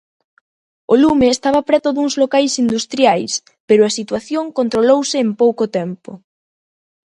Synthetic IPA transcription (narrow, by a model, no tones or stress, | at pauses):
olumeːst̪aβɐpɾɛt̪ʊðuŋzlokajsind̪ust̪ɾjajs | peɾʊasit̪waθjoŋkont̪ɾolowsɪːmpowkot̪ɛmpʊ̰